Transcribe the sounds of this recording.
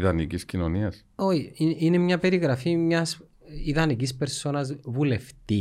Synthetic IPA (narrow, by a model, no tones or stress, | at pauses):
ðɐniciscino̞niɐs | oçiiine̞mɲɐpe̞ɾiɣɾɐfimɲɐs | iðɐnikispe̞ɾso̞nɐzvule̞ft̪i